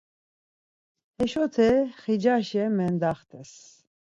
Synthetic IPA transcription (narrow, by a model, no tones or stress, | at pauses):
hɛʃɔt̪ʰɛχid͡ʒaʃɛmɛnd̪aχt̪ʰɛs